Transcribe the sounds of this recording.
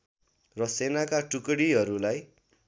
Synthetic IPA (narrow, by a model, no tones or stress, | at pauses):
rʌsenakaʈukʌɽiɦʌɾulaj